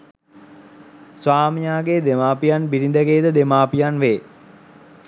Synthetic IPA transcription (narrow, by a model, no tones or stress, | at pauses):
sʋaːmijaːɡed̪emaːpijanbiɾind̪əɡeːd̪əd̪emaːpijanʋeː